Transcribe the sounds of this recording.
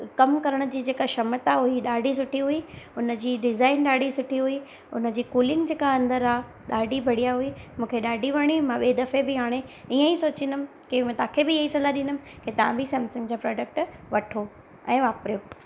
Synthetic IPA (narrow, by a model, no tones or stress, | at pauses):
kɐmkɐɾəɽ̃ə̆d͡ʑiːd͡ʑeːkaʃɐmət̪aɦʊiɗaːɖʱisʊʈʰiɦuiʊnəd͡ʑiːɖɪzaːɪnɗaːɖʱisʊʈʰiɦʊi | ʊnə̆d͡ʑiːkuːlɪ̃ŋɡd͡ʑeːkaɐ̃nd̪əɾaːɦ | ɗaːɖʱibʱɐɽijaɦʊimũːkʰeɗaːɖʱiʋɐɽ̃imãɓeːd̪ɐfebɪɦaːɽ̃eiːə̃isoːt͡ɕĩnd̪əmɪ | kemɛ̃ːt̪ãkʰebɪjɐisɐlaɗɪ̃nʊm | ket̪ɐʋ̤ãbʱɪsɛ̃ːmsʊ̃ŋɡd͡ʑaːpɾɔːɖək̚ʈʋɐʈʰo | ɛ̃ːʋaːpɾjoː